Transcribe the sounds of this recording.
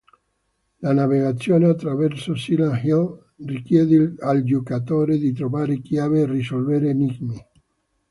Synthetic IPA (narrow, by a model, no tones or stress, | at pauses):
lanaveɣat̪sːjoːneat̪ːɾavɛrsosilanhil | rikjɛːd̪eald͡ʒokat̪oːɾed̪it̪ɾovaːɾekjaːveːrisolveɾeːniɡmi